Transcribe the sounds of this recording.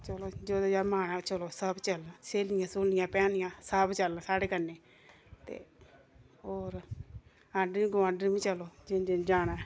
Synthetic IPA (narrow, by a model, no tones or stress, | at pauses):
t͡ʃəloːd͡ʒoːd̪ad͡ʒaːmaːɽaːt͡ʃəloːsəbt͡ʃəlseːlɪjãːsʊlnɪjãːpɛːnɪjãːsəbt͡ʃəlːsaːɽeːkənːeː | t̪ḛː | oːɾ | ãːɖɾĩːɡʊʋãːɖəɾʋĩːt͡ʃəloːd͡ʒɪd͡ʒed͡ʒaːɽɛ̃ː